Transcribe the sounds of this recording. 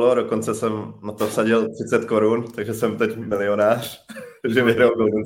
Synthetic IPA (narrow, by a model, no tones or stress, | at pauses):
lodoko̞nt͡sɛsɛmnat̪ofsaɟɪlt̪r̥ɪt͡sɛt̪ko̞ɾunt̪aɡʒɛsɛmt̪ɛcmɪlɪo̞naːr̝̥ʒɛvɪɦɾawdoɡun